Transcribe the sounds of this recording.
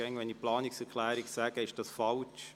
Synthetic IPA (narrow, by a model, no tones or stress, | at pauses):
ɛŋʋɛniplɑːnɪksɛʁkʰlɛːɾɪksæːɡəɪʃd̥ɑsfɑlt͡ʃ